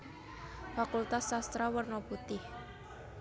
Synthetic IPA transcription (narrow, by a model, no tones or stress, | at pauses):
fakult̪asːast̪ɾawərnoput̪ɪh